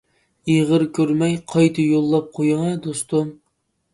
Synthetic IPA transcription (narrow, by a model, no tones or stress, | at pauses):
iʁəɾkʲʰøɾmɛjqʰɑjt̪ʰɨjolˠːɑp̚qʰojɨŋɑd̪ost̪ʊm